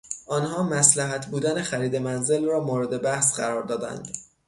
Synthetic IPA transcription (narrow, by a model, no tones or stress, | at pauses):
ʔɒːnhɒːmæslæɦæt̪ʰbuːd̪ænexæɾiːd̪e̞mænze̞lrɒːmoːɾe̞d̪e̞bæhsɢæɾɒːɾd̪ɒːd̪æ̰nd̪̥